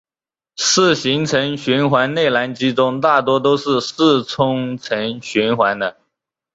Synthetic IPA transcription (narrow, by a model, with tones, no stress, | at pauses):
ʂɹ̩˥˩ɕi˧˥ŋt͡sʰə˧˥ŋɕy˧˥nxwa˧˥nne˥˩ɪla˧˥nt͡ɕi˥t͡sʊ˥ŋt̪a˥˩t̪̬wɔ˥t̪̬o˥ʊʂɻ̩˥˧sɹ̩˥˩t͡sʰʊ˥ŋt͡sʰə˧˥nɕy˧˥nxwa˧˥nd̪ə˧